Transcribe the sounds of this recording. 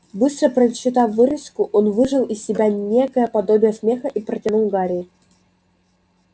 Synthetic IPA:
bɨst̪ɾəpɾəɪɕːɪt̪ɑfvːɨɾʲɪskʊʔonvɨʐɨlˠɪsʲsːʲɪbʲanʲekəjəpɐd̪o̞bʲɪjəsʲmʲexəʔipɾətʲɪnʊlˠɡaɾʲɪjː

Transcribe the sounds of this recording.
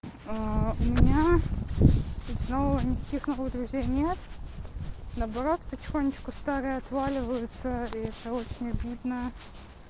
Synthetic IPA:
aʊmʲɪnʲa | snoʊnʲɪkɐ̥kʲixnovəɣd̪ɾʊzʲejnʲet̪ | nəɐbɐɾo̞t̪pətʲɪ̥xonʲːɪt͡ɕkʊst̪aɾɨjəɐt̪valʲɪvəjʊt̪səiɛt̪əo̞t͡ɕɪnʲɐbʲid̪nə

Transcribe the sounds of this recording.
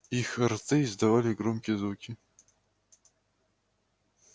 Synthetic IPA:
ixrt̪ɨzd̪ɐvalʲɪɡɾɔmkʲɪjəzvukʲi

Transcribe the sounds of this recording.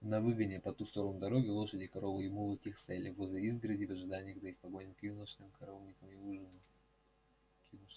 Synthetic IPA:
nɐvɨɡənʲɪpɐt̪ust̪o̞ɾənud̪ɐɾo̞ɡʲɪlˠo̞ʂədʲɪkɐɾo̞vɨɪmulˠɨtʲixsɛlʲɪvozʲəizɡɾədʲɪvɐʐɨd̪anʲɪjəɣzɐixpɐɡo̞nʲɪmkjunəʂnɨmkɐɾolnʲɪkəmiuʐɨn | kʲunuʃ

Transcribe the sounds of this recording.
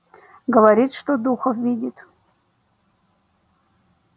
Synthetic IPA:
ɡəvɐɾʲit̪ʂt̪od̪uxəfvʲidʲɪt̪

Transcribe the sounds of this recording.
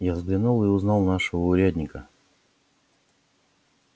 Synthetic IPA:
javzɡlʲɪnulˠɨʊznɑlˠnaʂəvəʊɾʲæd̪ʲnʲɪkə

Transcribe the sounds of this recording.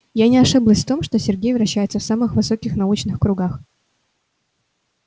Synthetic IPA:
janʲɪɐʂɨblˠəsʲft̪o̞mʂt̪o̞sʲɪrɡʲejvɾɐɕːæjɪt̪səfsamɨxvɨso̞kʲɪxnɐut͡ɕnɨxkɾʊɡax

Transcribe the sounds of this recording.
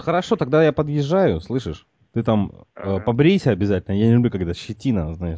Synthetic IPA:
xəɾɐʂo̞t̪ɐɡ̚d̪ajapəd̪jɪʐajʊslˠɨʂɨʂ | t̪ɨt̪aməpɐbɾʲisʲəɐbʲɪzatʲɪlʲnəjanʲɪlʲʊblʲukɐkt̪əɕːɪtʲinɐznaɪʂ

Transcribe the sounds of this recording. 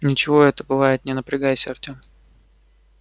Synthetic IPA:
nʲɪt͡ɕɪvo̞ɛt̪əbɨvajɪt̪nʲɪnəpɾʲɪɡajsʲɪrt̪ʲom

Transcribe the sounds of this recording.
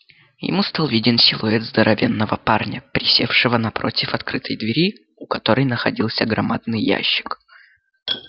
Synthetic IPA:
jɪ̰must̪alˠvʲidʲɪnsʲɪlˠʊɛd̪zd̪əɾʔɐvʲe̞nːəvəparnʲəpɾʲɪsʲefʂɨvənɐpɾo̞̰tʲɪfɐt̪kɾɨt̪ʰəjd̪vʲɪɾʲi | ʊkɐt̪o̞ɾəjnəxɐdʲilˠsʲəɡɾɐmad̪̚nɨjːæ̰ɕːɪ̥k

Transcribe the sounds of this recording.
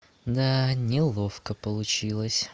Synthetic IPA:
d̪anʲɪlˠofkəpəlˠʊt͡ɕilˠəsʲ

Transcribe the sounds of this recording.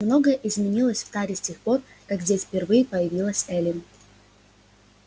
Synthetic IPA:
mno̞ɡəjəʔɪzmʲɪnʲilˠəsʲft̪aɾʲɪsʲtʲexpo̞r | kaɡzʲdʲesʲfʲpʲɪrvɨjɪpəjɪvʲilˠəsʲɛlʲɪn

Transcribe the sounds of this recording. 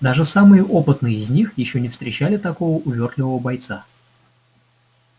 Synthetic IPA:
d̪aʐɨsamɨjəʔo̞pɨt̪nɨjəɪzʲnʲixjɪɕːonʲɪfst̪ɾʲɪt͡ɕælʲɪt̪ɐko̞vəʔʊvʲo̞rt̪lʲɪvəvəbɐjt̪sa

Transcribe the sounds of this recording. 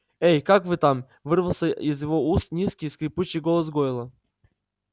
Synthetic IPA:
ejkakvɨt̪am | vɨrvəlˠsʲəizjɪvoust̪nʲiskʲiskɾʲɪput͡ɕɪɡolˠəs̬ɡɔjɪlˠɐ

